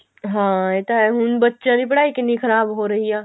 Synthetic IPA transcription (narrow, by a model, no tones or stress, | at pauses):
ɦãːet̪aɛɦʊnbətːʃãnipəɽaːikinĩkʰɐɾaːbɦoɾɐɦijãː